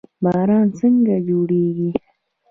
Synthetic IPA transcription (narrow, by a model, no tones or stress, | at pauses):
bɑːɾɑnsəŋɡad͡ʒoɽeɡi